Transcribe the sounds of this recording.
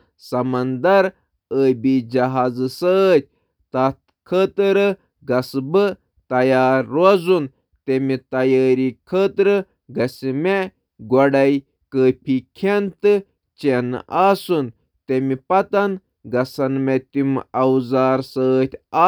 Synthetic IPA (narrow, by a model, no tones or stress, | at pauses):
sɐmɐnd̪ɐɾ | əːbid͡ʒɐɦaːzɨsəːt̪̚ʰʲ | t̪ɐt̪ | kʰəːt̪ɨɾɨ | ɡɐsbɨ | t̪ɐjaːɾːozun | t̪emit̪ɐjaːɾikʰəːt̪ɾɨ | ɡɐsime | ɡɔɖɐj | kəːpʰikʰent̪ɨ | t͡ʃenaːsun | t̪emipɐt̪ɐn | ɡɐsɐnmet̪imɐwzaːɾsəːt̪ʲaː